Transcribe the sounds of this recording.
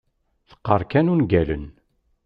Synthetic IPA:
θə̥qːəɾˤkænunɡælə̰n

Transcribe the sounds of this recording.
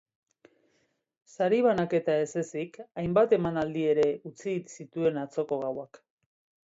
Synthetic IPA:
saɾiβ̞anake̞t̪ae̞se̞sikajmbat̪e̞manald̪ie̞ɾe̞ut͡sisit̪ue̞nat͡so̞ko̞ɣawak

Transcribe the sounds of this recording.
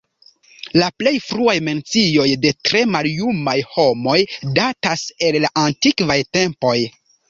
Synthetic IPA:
laple̞jfɾuajme̞nt͡sio̞jde̞tɾe̞maljumajho̞mo̞jdatase̞llaʔantikvajte̞mpo̞j

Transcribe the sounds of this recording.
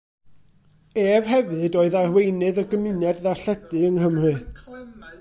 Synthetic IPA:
eːv̥ɦɛvɨdoːɨðarwejnɨðəɡəmɨnjɛdðaɬɛdɨəŋhəmrɨ

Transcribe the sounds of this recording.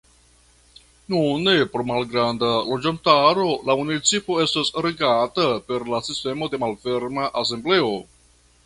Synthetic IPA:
nunepooɾmalɡɾandalod͡ʒantaɾo̞lamunit͡sipo̞e̞stasɾe̞ɡatape̞ɾlasiste̞mo̞de̞malfe̞ɾmaʔas̬e̞mble̞o̞

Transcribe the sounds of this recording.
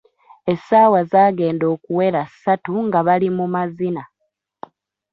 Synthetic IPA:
e̞saːwazaːɡe̞ːndo̞ːkuwe̞ɾasatuŋɡaβalimumazina

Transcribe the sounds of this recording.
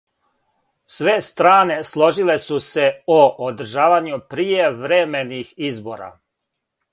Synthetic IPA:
sʋest̪ɾaːne̞slˠo̞ʒile̞suse̞oʔod̪ɾ̩ʒaːʋaɲupɾijeʋɾemenixizboːɾa̰

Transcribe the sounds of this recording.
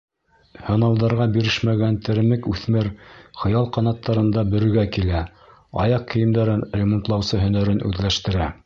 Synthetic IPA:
hɤ̆nɑlˠd̪ɑɾʁɑbiɾɘʃmæɡænt̪ɘ̆ɾɘ̆mɘkʉθmɘɾχɤ̆jɑlˠqɑnɑt̪ːɑɾɤ̆nd̪ɑbɵ̆ɾɵ̆ɡækilæ | ɑ̰jɑq̚kːɘ̆jɘ̆md̪æɾɘnrʲemont̪lˠɑwsɤɦɵ̆n̪æɾɘnʉ̰ðlæʃt̪ɘ̆ɾæ

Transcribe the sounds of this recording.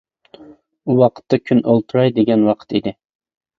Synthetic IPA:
uwɑqʰə̥t̪ʰːɑkʲʰynolˠt̪ʰuɾɑjd̪eɡʲɛnwɑqʰə̥t̪id̪ɪ

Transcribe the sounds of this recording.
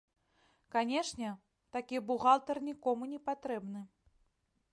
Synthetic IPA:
kanʲɛʂnʲɛ | t̪akʲibuɣalˠt̪ɐrnʲikɔmunʲɛpat̪ɾɛbnɨ

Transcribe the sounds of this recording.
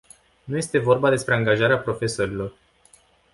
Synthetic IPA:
nuje̞st̪e̞vo̞rbad̪e̞spɾe̞aŋɡaʒaɾeapɾo̞fe̞so̞ɾilo̞r

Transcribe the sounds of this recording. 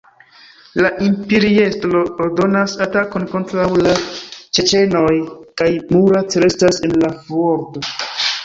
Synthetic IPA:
laʔimpeɾiestlo̞ːɾdo̞nasatako̞nko̞ntɾawlat͡ʃe̞t͡ʃe̞no̞jkajmuɾatɾe̞stase̞nlavoɾto̞

